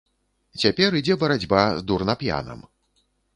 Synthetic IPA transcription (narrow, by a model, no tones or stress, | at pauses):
t͡sʲapʲɛɾid͡zʲɛbɐɾad͡zʲbazd̪urnɐpja̰nɐ̰m